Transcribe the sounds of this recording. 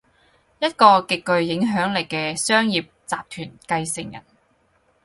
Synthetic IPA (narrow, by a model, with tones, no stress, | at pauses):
jɐ˥t̚kɔː˧kɪ˨kkːɵ˧ɥjɪ˨˥ŋɦœː˨˥ŋlɪ˨˩kkɛː˧sœː˥ŋjiː˨p̚t͡saː˨p̚t̪ʰyː˨˩nkɐ˧jsɪ˨˩ŋjɐ̰˨˩n